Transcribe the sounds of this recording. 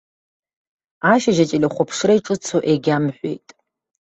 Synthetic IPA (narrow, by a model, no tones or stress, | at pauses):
aʃaʒɐt͡ʃʼilʲɐχʷɔpʰʂrejʈ͡ʂʼɨt͡sʰoʔeɡʲamħʷḛjtʼ